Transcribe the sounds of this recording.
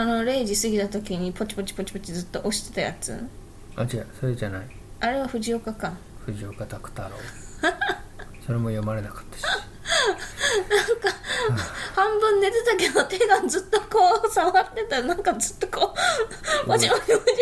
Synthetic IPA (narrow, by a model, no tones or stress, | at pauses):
ano̞ɾe̞ːʑisɨɡʲit̪at̪o̞kʲiɲ̟ipo̞t͡ɕi̥po̞t͡ɕi̥po̞t͡ɕi̥po̞t͡ɕizɨt̪ːo̞ʔo̞ɕi̥t̪e̞̥t̪aja̰t͡sɨ̰ | ad͡ʑasoɾed͡ʑanai | ʔaɾe̞βaɸɯ̟ʑio̞kakãŋ | ɸɯʑiokat̪akɯ̟̥t̪aɾo̰ː | so̞ɾe̞mojomaɾe̞nakɯ̥t̪ːe̥ | nãŋka | hãmbɯ̟̃nːe̞t̪e̞t̪ake̞d̪o̞t̪e̞ːɡ̪ãnd͡zɨt̪ːo̞koːsamat̪ːet̪anãŋkazɨt̪ːo̞koː | ot͡ɕimaio